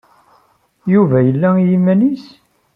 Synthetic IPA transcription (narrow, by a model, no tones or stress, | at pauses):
juvæjəlːæjimænis